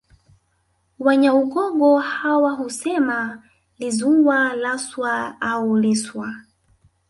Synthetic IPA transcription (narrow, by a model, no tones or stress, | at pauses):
waɲauɠɔɠɔhawaɦusɛma | lizuwalaswaauliswa